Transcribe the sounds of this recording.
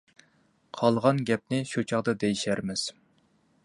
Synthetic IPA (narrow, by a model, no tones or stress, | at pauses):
qʰɑlˠʁɑnɡʲɛp̚nɪʃut͡ʃʰɑʁd̪ɑd̪ejiʃæɾmɪz̥